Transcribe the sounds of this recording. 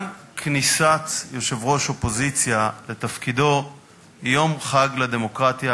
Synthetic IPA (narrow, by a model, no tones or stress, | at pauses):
knisat͡sjo̞ʃe̞vʁo̞ʃo̞po̞zit͡sjale̞t̪afkid̪o̞ | jo̞mχaɡlad̪e̞mo̞kʁat̪ja